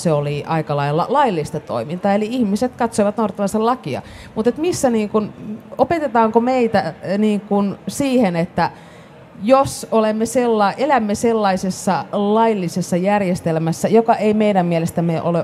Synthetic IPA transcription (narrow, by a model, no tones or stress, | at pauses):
seoliʔɑikɑlɑilːɑ̰lɑilːist̪ɑt̪o̰imint̪ɑːeliihmiset̪kɑt̪soiʋɑt̪nouɾɑt̪ːɑʋɑsellɑkiɑ̰ | mut̪et̪misːæniːŋkunopet̪et̪ɑːŋkomeit̪æniːŋkunsiːhenet̪ːæ | josolemːeselːɑiʔelæmːeselːɑisesːɑlɑilːisesːɑjærjest̪elmæsːæjokɑʔeimeidæmmielest̪æmeʔole